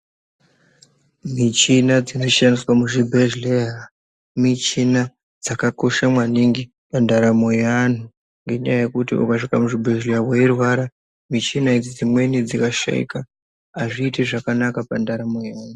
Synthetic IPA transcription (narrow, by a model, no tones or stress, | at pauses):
mit͡ʃinad͡zino̞ʃaniswamuʐibʱeʒleɦa | mit͡ʃina | d͡zakako̞ʃamwaniŋɡi | pandaɾamojan̤u | ŋɡe̞ɲajaje̞kutiṵkaʂikamuʐibʱe̞ʒleaweirwaɾa | mit͡ʃinaid͡zid͡zimwe̞nid͡zikaʃa̰ḭkaː | ʐiːteʐakanakapandaɾamojan̤u